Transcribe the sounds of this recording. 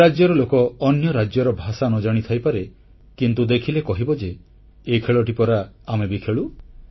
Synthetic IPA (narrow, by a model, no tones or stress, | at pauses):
ad͡ʒjɔɾɔlokɔːnjɔɾad͡ʒjɔɾɔbʱasanɔd͡ʒaɽ̃it̪ʰajpaɾe | kint̪ud̪ekʰilekɔɦibɔd͡ʒeː | kʰeɭɔʈipɔɾaːmebikʰeɭu